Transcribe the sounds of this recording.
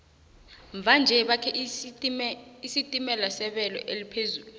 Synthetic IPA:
ɱb̪vʱand͡ʒʱɛɓakʰɛ | isitʼimɛlasɛɓɛlɔ̰ʔelipʰezuːlu

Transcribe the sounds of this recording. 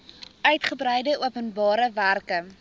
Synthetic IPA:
œɥtχəbrɛjdəʔuəpənbɑːɾəværkə

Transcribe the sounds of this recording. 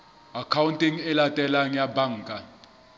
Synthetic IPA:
akʰawuntʼiŋɛlatʼɛlaŋjabaŋkʼa

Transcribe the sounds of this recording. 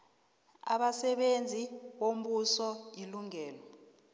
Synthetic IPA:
a̰ɓasɛɓend͡zʱiɓom̩ɓusɔiluŋɛːlɔ

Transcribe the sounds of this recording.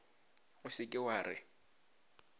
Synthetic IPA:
ʊsɪkʼɪwaːrɪ̰

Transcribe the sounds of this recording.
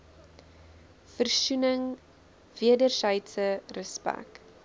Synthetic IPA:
fərsunəŋ | viədərsəjtsərəspæ̰k

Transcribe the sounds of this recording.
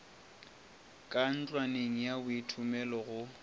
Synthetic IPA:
kʼan̩t͡ɬʼwaneŋ̩jabʊitʰʊmɛlɔɣʊ

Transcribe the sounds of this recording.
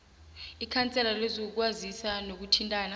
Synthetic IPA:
ikʰant͡sʼɛlalezɔk̬wazisanok̬utʰintʼaːna

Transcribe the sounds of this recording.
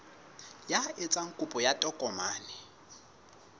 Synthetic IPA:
jaet͡sʼaŋ̩kʼupʼɔjatʼɔkʼɔmaːnɛ

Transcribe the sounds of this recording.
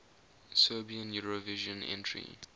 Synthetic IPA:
sɜbiə̃njuɹoviʒɔ̃nɛ̰̃ntʰɹḭ

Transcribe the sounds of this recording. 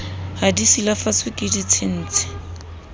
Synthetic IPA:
hadisilafat͡sʰwɪkʼɪdit͡sʰɪn̩ːt͡sʰɪ̥

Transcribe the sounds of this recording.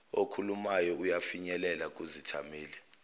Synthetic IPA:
okʰulumajɔujafiɲɛlɛlak̬uzitʰa̰meːlɛ

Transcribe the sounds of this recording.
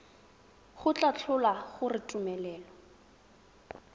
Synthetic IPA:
χʊt͡ɬʼat͡ɬʰʊlaχʊrɪtʼumɛlɛːlɔ

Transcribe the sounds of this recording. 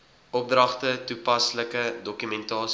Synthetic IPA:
ʔɔp̚drɐχtətupɐsləkədɔkymɛntɑːs

